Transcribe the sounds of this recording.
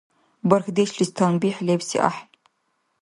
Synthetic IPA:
bɐrxdeʃɬistʰanbiːħlepsḭʔa̰ħ

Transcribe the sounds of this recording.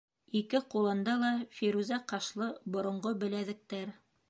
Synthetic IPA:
ikɘqulˠɤ̆nd̪ɑlˠɑfiɾuzɑqɑʃlˠɤbŏɾŏɴɢobɘ̆læðɘ̆k̚t̪æɾ

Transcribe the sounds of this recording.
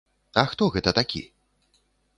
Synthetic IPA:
axɯ̥t̪oːɡet̪at̪akʲḭ

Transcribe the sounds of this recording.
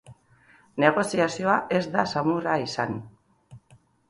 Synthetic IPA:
ne̞ɣ̞o̞siasio̞aʔe̞zd̪asamuraisan

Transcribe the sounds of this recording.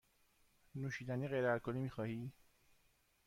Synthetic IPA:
nuʃiːd̪æniɣejɾæɾkʰonimiːxɒːhiː

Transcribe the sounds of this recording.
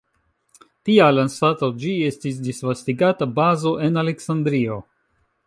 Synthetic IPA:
tialansato̞d͡ʒie̞stis̬disvastiɡatabazo̞ʔe̞nale̞ksandɾio̞

